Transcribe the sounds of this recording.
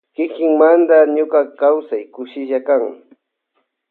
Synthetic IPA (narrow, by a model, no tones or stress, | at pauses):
kɪkɪŋmand̪aɲʊkakawsajkʊʃɪʒakaŋ